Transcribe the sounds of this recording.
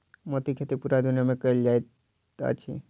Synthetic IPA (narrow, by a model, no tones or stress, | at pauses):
mot̪ikʰet̪ipuɾad̪unjamẽkəeld͡ʒajt̪ | a̰t͡ʃʰḭ